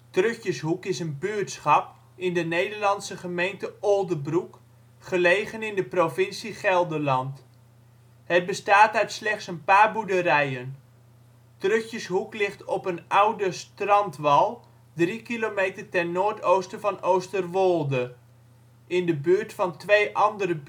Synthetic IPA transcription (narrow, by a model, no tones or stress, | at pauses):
trøxjəsɦukɪsənbyːtsχɑp̚ | ɪndənejdəɹlɑnsəχəmejntəolˠdəbruk | χəlejχənɪndəprovɪnsiχɛlˠdəlɑnt | hət̚bəstaːtœɥtslɛχtsənpaːrbudərɛjən | trɵxjəsɦuklɪχtɔpənʌwdəstrɑntʋɑlˠ | drikilometərtɛnnːoːɹtowstəvɑnowstərʋolˠdə | ɪndəbyːɹtfɑntʋejʔɑndərə